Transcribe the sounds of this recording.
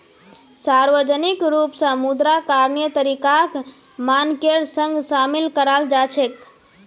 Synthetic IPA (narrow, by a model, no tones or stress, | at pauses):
saɾʋəd͡ʒənikɾupsə̃mud̪ɾakaɾnjət̪əɾikak | mankeɾsə̃ŋɡsamilkəɾald͡ʒat͡ʃʰek